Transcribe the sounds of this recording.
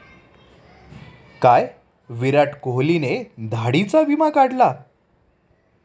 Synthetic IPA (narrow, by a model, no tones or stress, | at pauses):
kaj | ʋiɾaʈkoɦlined̪ʱaɽit͡saʋimakaɽla